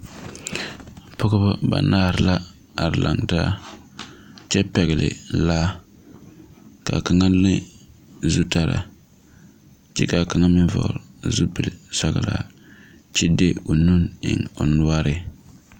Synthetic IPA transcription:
pʰɔ˦ɡɔ˦ba˦ba̰˨naː˦˨ɾɪ˨la˦ | a˨ɾɪ˨la˨ŋta˦ | t͡ʃɛ˦pɛ˨ɣɪ˨lɪ̰˨laː˦ | ka˨ka˨ŋa˦lɪ˦zu˦ta˦ɾa̰˨ | t͡ʃɛ̰˦ka˨ka˨ŋa˦mɪ˦n˦vɔ̰˨ɾzu˦pɨ˨lsa˨ɣa˨la̰˨ | t͡ʃɛ˦de˦o˨nu˦nɪ̰˨ŋo˨nʊ˦a˦ɾɪ˦

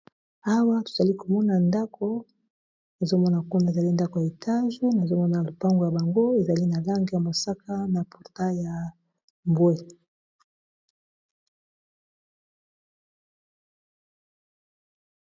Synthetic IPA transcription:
a˦wa˦to̥˨za˨li˦ko˨mɔ˦na˨nda˦kʰo˦ | na˨zo˦mɔ˦na˨ku˦na˦˨e˨za˨li˦nda˦ko˨ja˨e˨tʰa˦ʒu˦na˨zo˦mɔ˦na˨lo˨pa˦ŋɡo˨ja˨ba˨ŋɡo˦e˨za˨li˦na˨la˦ŋɡe˨ja˨mo˨sa˦kʰa˦na˨pu˨ʁta˦ja˨ | mbwe˦

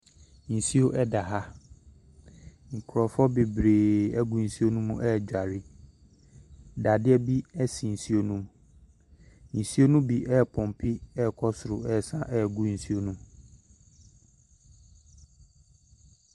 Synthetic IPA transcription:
n̩˨si˦o˦ʔɛ˦da˨ɦa˦ | ŋ̩˨kʰʊ˨ɾɔ˨fɔ˦be˨bɾeː˨ɛ˦ɡu˨n̩˨si˦o˦nũ˦mũ˦ʔɛ˦˨d͡ʑᶣa˨ɾɪ˦ | da˨dɪ˦ɛ˦bi˦ɛ˦si˨n̩˨si˦o˦nũ˦m | n̩˨si˦o˦nũ˦bi˨ʔɛ˦˨pʰɔ̃˨m˨pʰi˦ɛ˦˨kʰɔ˦sʊ˨ɾʊ˨ɛ˦˨sã˦ʔɛ˦˨ɡu˦n̩˨si˦o˦nũ˦

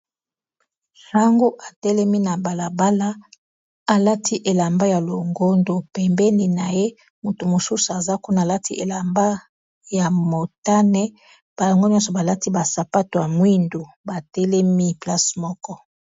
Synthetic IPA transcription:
ta˦ŋɡo˦ʔa˨tɛ˦lɛ˦mi˦na˨ba˨la˨ba˦la˦ | a˨la˦tʰi˦ʔe˨la˨mba˦ja˨lo˨ŋɡo˦ndo˨pɛ˨mbɛ˦ni˨na˨je˦ | mo˨to˨mo˨su˦su˨a˨za˦ku˦na˨la˦tʰi˦ʔe˨la˨mba˦ | ja˨mo˨ta˦nɛ˦ | b̥a˨jo˨ŋɡo˦ɲjɔ˦sɔ˨ba˨la˦ti˦ba˨sa˨pa˦to˨ja˨mwi˦ndo˨ | ba˨tɛ˦lɛ˦mi˦pla˦smɔ˦kɔ˦

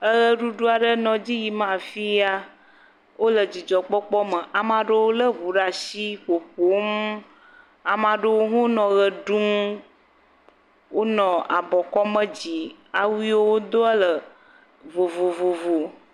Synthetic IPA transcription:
ə˦ɣə˦ɖu˦ɖo˦a˨ɖə˦nɔ̃˨d͡ʑi˦ji˨mã˨fi˦a˦ | wo˦lə˨d͡ʑi˨d͡ʒɔ˨k͡pɔ˦k͡pɔ˦mə˨ʔa˨mã˨ɖə˦wo˦lə˦βu˨ɖa˨ʃi˦ɸo˨ɸo˨˦m | a˨mã˨ɖə˦wo˦ɦũ˦nɔ̃˨ɣə˨ɖu˦m | wo˦nɔ̃˨a̰˨bɔ˨kɔ˦mə̃˦d͡ʑi˨a˨wi˦wo˦wo˦d̪o˦ə˦lə˨ | vo˨vo˨vo˨vo˨

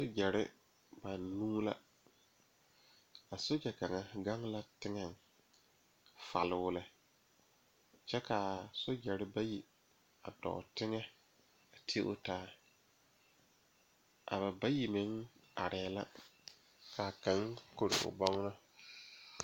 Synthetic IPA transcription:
so˦d͡ʒɛ˨ɾɪ̰˦ | ba˨nːũː˦la̰˦ | a˨so˦d͡ʒɛ˨ka˨ŋa˨ɡa˦ŋla˦tɪ˦ŋɛ˨ŋ | fa̰˨lɪ˦wʊ˦lɛ˦ | t͡ʃɛ˦ka˨so˦d͡ʒɛ˨ɾɪ˦ba˦ji˨ | a̰˨dɔ̰˨tɪ˦ŋɛ˦ | a˨tʰi˦ʔʊ˦taː˦ | ʔa̰˨βa˨ba˦ji˨mɪ˨˦ŋa̰˨ɾʔɛ˨la̰˦ | ka˨ka˨˦ŋko˨ɾɪ̰˨ʊ̰˨bɔ˦ŋ˦na˦

